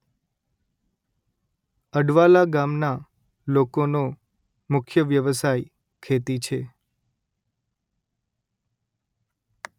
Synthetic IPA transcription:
əɖʋalaɡamna | lokono | mʊkʰjəʋjəʋəsaj | kʰet̪it͡ʃʰe

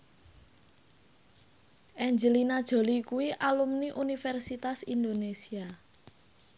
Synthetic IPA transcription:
ʔɛɲd͡ʒəlinad̥ʒ̥o̤likuwiʔalumniʔunifɛrsit̪asind̪onesia

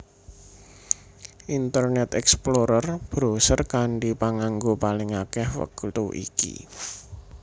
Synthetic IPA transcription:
ʔint̪ərnɛt̪ɛksploɾərb̥ɾosərkaɳɖipaŋaŋɡopalɪŋakɛhwə̰kut̪uʔḭkḭ

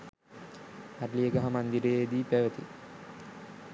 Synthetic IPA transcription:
arlijəɡaɦamand̪iɾejed̪iːpæʋət̪ḭ

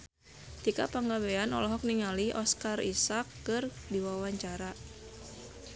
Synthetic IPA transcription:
t̪ika̰paŋɡabeanɔ̰lɔɦɔk̚niŋaliʔɔskarḭsakːɨrdiwawaɲt͡ʃaɾa

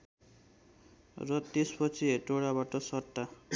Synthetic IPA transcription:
rʌt̪espʌt͡sʰieʈoɽabaʈʌsʌrt̪ːa

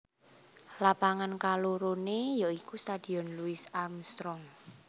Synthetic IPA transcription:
lapaŋankaloɾonejaikust̪ad̪̥i̤ɔnluɪsarmst̪ɾɔŋ

